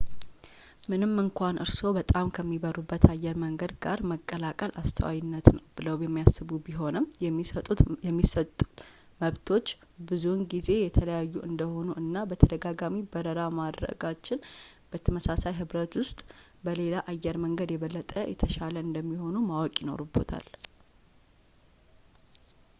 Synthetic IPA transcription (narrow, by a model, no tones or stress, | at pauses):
mɨnɨmːɨŋkʷʰanʔɨɾso̞bət̪ʼamkʰəmːibəɾubːət̪ʰajːɛɾməŋɡəd̪ɡaɾməkʼːəlakʼəlʔa̰st̪ʰə̰wa̰jɪnːət̪nəwb̥ɨləwjɛmːijasːɨβubiɦo̞nəmət̪ʼːut̪ɛmːisət̪ʼːu̥ | məβt̪ʰo̞t͡ʃː | bɨzunɡize̞jɛt̪ʰələjajːuʔɨnd̪əho̞nuɨnːabət̪ʰəd̪əɡaɡamibəɾəɾamad̪ɾə̰ɡat͡ʃːɪnb̥ət̪ʰəməsasajɦɨβɾət̪wʊst̪ʼ | bəle̞laʔajːɛɾməŋɡəd̪jɛβəlːət̪ʼəjɛ̰t̪ʰəʃaləɨnd̪əmːiho̞numawɔkʼjino̞̰ɾubːo̞̰t̪ʰa̰l